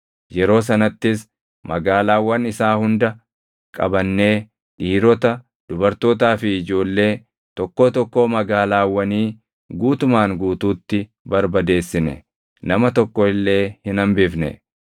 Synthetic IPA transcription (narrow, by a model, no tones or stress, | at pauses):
jɛɾo̞ːs̬ɐnɐt̪ːɪs | mɐɡaːlaːwːɐnɪsaːhʊnd̪ɐ | kʼɐ̰bɐnːe̞ː | ᶑiːɾɔt̪ɐ | d̪̥ʊbɐɾt̪o̞ːt̪̬aːfɪːd͡ʒo̞ːlːe̞ː | t̪ɔkːo̞ːt̪ɔkːmɐɡaːlaːwːɐniː | ɡuːt̪ʊmaːŋɡuːt̪uːt̪ːɪ | bɐɾbɐd̪e̞ːsːɪnɛ̰ | nɐmɐt̪ɔkːɔɪlːe̞ːhɪnɐmbɪfnɛ̰